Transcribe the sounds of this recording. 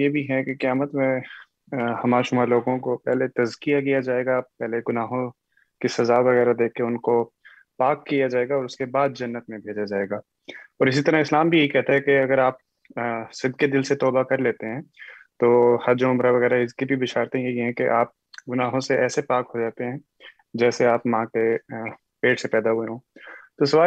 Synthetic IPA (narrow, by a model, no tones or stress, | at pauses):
jebʱiɦɛkekɐjaːmət̪mẽ | hɐmaːɾʃʊmaːɾeloːɡõkopɛɦlet̪ɐzkijakijad͡ʒaːeːɡapɛɦleɡʊnaːɦõ | kisɐzaʋɐɣɛːɾad̪eːkʰːeʊnko | paːkːijad͡ʒaːeːɡaɔːɾʊskebaːd̪̚d͡ʒɐnːət̪mẽbʱeːd͡ʒad͡ʒaːeːɡaː | ɔːɾɪsit̪ɐɾəɦɪslaːmbʱijeɦikɛɦt̪aɦɛkeɐɡəɾaːp̚ | sɪd̪ked̪ɪlset̪ɔːbakɐɾleːt̪eɦɛ̃ːt̪oːhɐɾd͡ʒoʊmɾaʋɐɣɛːɾaɪskibʱiʋɪʃaːɾt̪ẽjɐɦiɦɛ̃keʔaːp̚ | ɡʊnaːɦõseʔɛːsepaːkɦod͡ʒaːt̪eɦɛ̃ː | d͡ʒɛːseaːpmããke | peːʈsepɛːd̪aɦueɦõːt̪osɐʋaː